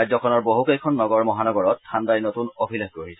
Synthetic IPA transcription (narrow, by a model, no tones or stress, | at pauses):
jzɔkʰɔnɔɹboɦukejkʰɔnːɔɡɔɹmɔɦanɔɡɔɹɔt̚tʰːandajnotunobʱilexkoɹisɛ